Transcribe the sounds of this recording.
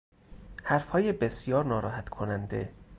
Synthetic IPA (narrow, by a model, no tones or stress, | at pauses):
hæɾfhɒːjebe̞sjɒːɾnɒːɾɒːɦæt̪kʰonænd̪ḛ